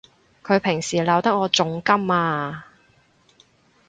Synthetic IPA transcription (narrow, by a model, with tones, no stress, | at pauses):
kʰɵ˨˧ɥpʰɪ˨˩ŋsiː˨˩lɐ˨˧wt̪ɐ˥k̚ːɔː˨˧t͡sʊ˨˧˥ŋkɐ˥maː˧